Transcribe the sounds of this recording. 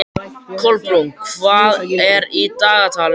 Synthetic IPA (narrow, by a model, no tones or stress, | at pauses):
kʰɔlpɾuŋkʰvaːðɛɾit̪aːɣat̪ʰaːl